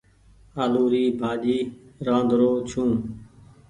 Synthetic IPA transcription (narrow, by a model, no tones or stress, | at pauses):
aːluːɾiːbʱaːʄiːɾãːnd̪ʱɾoːt͡ʃʰũː